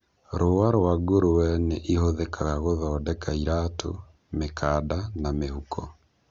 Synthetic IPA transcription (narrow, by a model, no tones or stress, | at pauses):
ɾoaɾwaɡoɾowɛneʔihoðekaɣaɣoðɔːdɛkaiɾaːtʰo̰ | mekʰaːdanamehukʰɔ